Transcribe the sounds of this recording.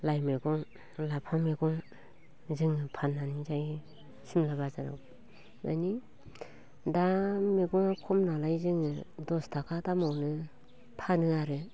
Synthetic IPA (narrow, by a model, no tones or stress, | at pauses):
lajmeɡɔŋ | lapʰameɡɔŋ | zɯŋɯpʰanːanizaj | simlabazaɾa̰w | ma̰ni | dameɡɔŋakʰɔmnalajzɯŋɯdɔstʰakʰadamɔwnɯ | pʰanɯaɾɯ